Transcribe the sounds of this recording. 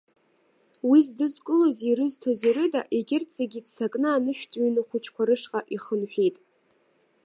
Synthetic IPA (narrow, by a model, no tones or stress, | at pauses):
wizdɨzkʼɨloziɾɨztʰoziɾɨda̰ʔeɡʲɪrt͡sʰʼaɡʲidsakʼnɨanɨʃᶣtʼɥinɨχʷʊt͡ʃʰkʷaɾɨʂqʼaʔiχənħʷᶣejtʼ